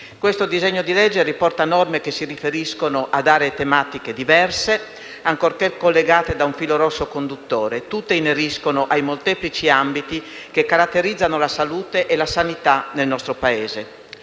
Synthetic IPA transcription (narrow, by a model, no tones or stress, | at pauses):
kwest̪od̪izɛɲːod̪ilɛd͡ʒːeripɔrt̪anɔrmekesirifeɾiskonoʔad̪aːɾeːt̪emaːt̪iked̪ivɛrse | aŋkorkekolːeɡaːt̪ed̪auɱfiːloɾɔsːokond̪ut̪ːoːɾet̪ut̪ːeineɾiskonoʔajmolt̪ɛːplit͡ʃiambit̪i | kekːaɾat̪ːeɾid̪zːanolasaluːt̪eʔelasanit̪anelnɔst̪ɾopaeːze